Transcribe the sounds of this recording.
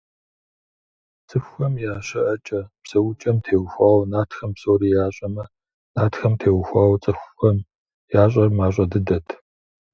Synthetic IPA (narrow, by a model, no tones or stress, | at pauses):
t͡sʼɨxʷɐmjaːɕɐʔɐt͡ʃʼɐpsɐwʊt͡ʃʼɐmtʰeːwxʷaːwnaːtxɐmpsoːɾiːjaːɕʼɐmɐ | naːtxɐmtʰeːwxʷaːwt͡sʼɨxʷːɐm | jaːɕ̬ʼɐrmaːɕ̬ʷʼɐdɨdɐtʰ